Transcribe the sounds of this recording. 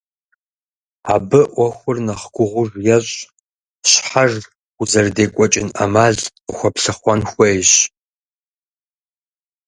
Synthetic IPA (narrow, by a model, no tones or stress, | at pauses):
aːbɨʔʷɔxʷʊrnɐχɡʷʊʁʷʊʒʷjɛɕʼ | ɕħar | uzɐrdeːkʷʼɔt͡ʃʼɪna̰maːɮ | əxʷɔpɬɨχʷɔnxʷɐjɕ